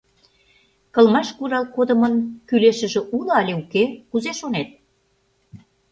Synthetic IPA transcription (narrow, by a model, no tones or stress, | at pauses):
kɤ̆lmɑʃkuɾɑlkod̪ə̆mənkyleʃə̆ʒĕʔulŏɑlʲeukekuzeʃonet̪̚